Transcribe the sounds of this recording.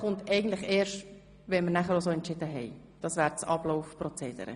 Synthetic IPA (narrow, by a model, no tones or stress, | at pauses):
χʊntɛɪɡən̩t̪lɪχeːɾʃt | ʋɛnməɾnæχəɾos̬oːɛntt͡ʃɪdəɦɛɪ | d̥ɑsvæːɾt͡sɑbloʊfprɔt͡seːd̥ə̰ɾə̰